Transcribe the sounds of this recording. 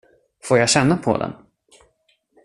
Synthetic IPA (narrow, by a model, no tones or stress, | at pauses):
foːɾjaɕɛnːapʰɔ̰d̪ɛ̰n